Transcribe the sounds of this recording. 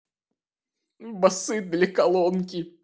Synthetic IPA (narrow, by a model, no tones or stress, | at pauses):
bɐsɨd̪ʲlʲɪkɐlˠɔnkʲɪ